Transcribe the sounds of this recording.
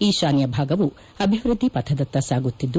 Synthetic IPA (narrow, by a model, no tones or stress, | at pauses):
iːʃaːnjɐbʱaːɡɐʋu | ɐbʱiʋɾud̪ʱːipɐt̪ʰɐd̪ɐt̪ːɐsaːɡut̪ːid̪ːu